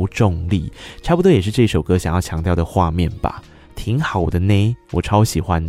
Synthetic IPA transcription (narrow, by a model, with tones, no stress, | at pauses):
ʈ͡ʂʊ˥˧ŋlḭ˥˩ʈ͡ʂʰɑ˥˧pu˨t̪wɔ˥jɛ˨˩ʂɻ̩˥˧ʈ͡ʂɤ˥˧i˥˩ʂo˨˩ʊkɤ˥ɕɑ˨˩ŋjɑ˥˩ʊt͡ɕʰjɑ˧˥ŋt̪jɑ˥˩ʊd̪ə˩xwa˥˧mjɛ˥˩nba̰˩ | t̪ʰi˧˥ŋxɑ˨˩ʊd̪ə˦ne˥ɪwɔ˨˩ʈ͡ʂʰɑ˥ʊɕi˨˩xwa˦n